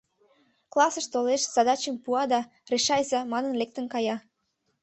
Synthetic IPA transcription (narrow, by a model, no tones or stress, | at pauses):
klˠɑsəʃt̪oleʃz̥ɑd̪ɑt͡ɕəmpuɑd̪ɑ | reʃɑjzɑmɑnənlek̚t̪ənkɑjɑ